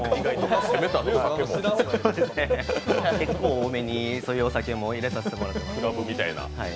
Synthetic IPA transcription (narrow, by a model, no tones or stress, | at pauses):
iɡait̪oemet̪at̪aesoːd̪e̞sɨneke̞kːoːme̞ɲ̟isoːjɯosakemoiɾesaɕi̥t̪emo̞ɾat̪ːad̪sɨɾabɯ̟mʲit̪a̰ina̰hai